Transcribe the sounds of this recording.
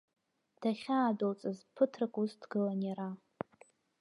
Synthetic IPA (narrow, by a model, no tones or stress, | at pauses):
d̥aχʲaːdolt͡sʼɨzpʰɨtʰrɨkʼusdɡɨlanaɾa